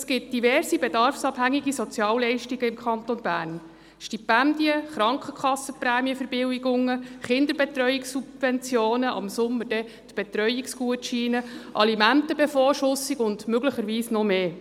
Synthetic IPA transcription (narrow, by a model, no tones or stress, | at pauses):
sɡ̥ɪt̚d̥ivɛrzib̥edɑrfsɑbhæŋːiɡisɔt͡sjɑːwlɛɪʃtiɡəɪmkʰχɑnt̪ɔnb̥æːrn | ʃtipændiəχɾɑŋkχəkχɑsːəpræːmiəfəɾb̥ɪwiɡʊŋːəχɪnd̪əɾbɛtrœʏiksubvɛnt͡sjoːnəʔɑ̰msʊmːəɾd̥ɛ | tb̥et̪ɾœʏiksɡuətʃiːnəʔɑ̰limæntəbefoːɾʃʊsːiɡʊndmøɡləχəɾʋiːsnɔmeː